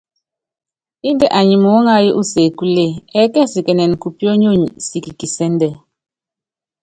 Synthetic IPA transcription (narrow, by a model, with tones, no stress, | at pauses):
i˦n˦dɛ˦ʔa˨ɲi˨mo˨˦ŋa˦ji˦ʔu˦se˨ku˦le˦˨ɛ˦kɛ˦si˨kɛ˨nɛ˨n˨ku˨pi˦ɔ˦ɲo˦ɲḭ˨si˨ki˨ki˨sɛ˦n˦dɛ˦˨